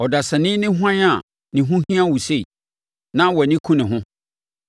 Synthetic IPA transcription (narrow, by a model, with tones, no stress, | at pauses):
ɔ˨da˨sɛ˨nɪ̃˦nɪ̃˦ɦʊ˦ã˦ɲa˨ | nɪ̃˨ɦʊ̃˦ɦĩ˦ã˦˨wu˨se˦i˨ | nã˦wɔ˨nĩ˦kʰũ˦nɪ̃˨ɦʊ̃˦